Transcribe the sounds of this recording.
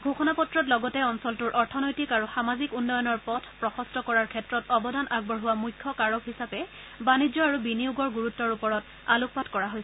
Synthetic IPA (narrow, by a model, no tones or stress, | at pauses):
ɡʱoxɔnapɔtɹɔtlɔɡɔtɛɔnsɔltuɹʔɔɹtʰɔnojtikaɹuxamazikunːɔjɔnɔɹpɔtʰpɹɔxɔstɔkɔɹaɹkʰɛtɹɔtɔbɔdʱanʔaɡ̚bɔɹɦʊwamujkʰːɔkaɹɔkɦisapɛ | banid͡ʑɔaɹubinijuɡɔɹɡuɹutːɔɹupɔɹɔt | a̰luk̚patkɔɹaɦojsɛ